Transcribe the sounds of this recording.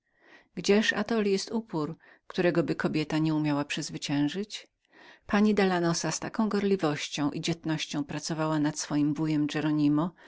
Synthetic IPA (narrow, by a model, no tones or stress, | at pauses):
ɡd͡ʑɛʂa̰t̪ɔljɛst̪upuɾ | kt̪uɾɛɡɔbɘkɔbʲjɛt̪aɲɛumʲjawapʂɘzvɘt͡ɕɛ̃w̃ʐɘt͡ɕ | paɲid̪alanɔsast̪akɔ̃w̃ɡɔɾlʲivɔɕt͡ɕɔ̃w̃ʔid͡ʑɛt̪nɔɕt͡ɕɔ̃w̃pɾat̪sɔvawanat̪sfɔjimbujɛmd͡ʐɛɾɔɲimɔ